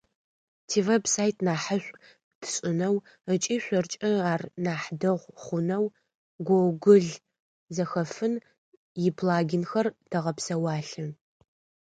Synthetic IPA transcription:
tʰiːvepsaːjtʰnaːħəɕʷʼ | tʰɨ̥ɕʼɪnɐw | ət͡ʃʼiːɕʷɔrt͡ʃʼɪaːrnaːħdɐʁʷχʷʊnɐw | ɡʷowɡʷʊɮ | zɐxɐfɨn | jɪpʰlaːɡʲɪnxɐrd̥ʰɐʁɐpsɐwaːɬɨ

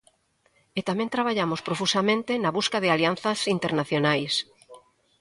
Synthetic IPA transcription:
et̪amɛ̃nt̪ɾaβaʎamospɾofusamẽnt̪ɪnɐβuskaðɪalianθɐsint̪eɾnaθjonajs

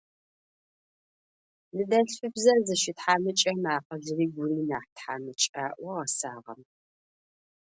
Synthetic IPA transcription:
nɨdɐɬʷʊbzɐrzɨʃɪtħaːmɨt͡ʃʼɐmaːqɐzɪriːɡʷʊriːnaːħtħa̰ːmɨt͡ʃʼaːʔʷɐʁɐsaːʁɐ̰m

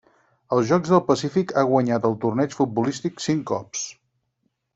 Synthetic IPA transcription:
əlˠzʒɔɡzðəlˠpəsifikaɣwəɲat̪əlˠt̪urnɛt͡ʃfut̪̚bulist̪iksiŋkːɔ̰ps

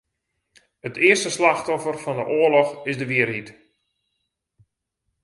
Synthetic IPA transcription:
ətɪərstəslaxtɔfərfɔndəʔoəlɔxɪsdəʋiərhit

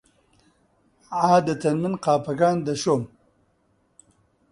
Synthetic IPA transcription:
ʕaːd̪ɐt̪ɐnmɨnqaːpɐɡaːnd̪ɐʃoːm

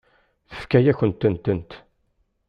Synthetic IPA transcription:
θə̥fkæjæçənt̪ːənt̪ənt̪

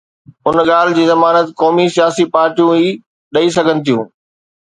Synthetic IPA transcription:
ʊnɠaːl̤ɪd͡ʑiːzɐmaːnət̪kɔːmisijaːsipaːɾʈijũiː | ɗɐisɐɡʱənɪ̆t̪ʰijũː

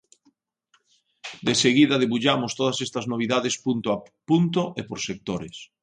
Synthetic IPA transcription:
d̪eseɣiðɐðeβuʎamost̪oðɐsest̪ɐznoβ̞iðaðespunt̪oapunt̪oʔepoɾsek̚t̪oɾḛs

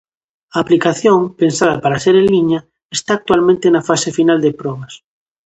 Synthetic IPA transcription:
aːplikaθjoŋpensaðapaɾaseɾelliɲa | est̪aːk̚t̪walmẽnt̪enafasefinald̪epɾɔβas

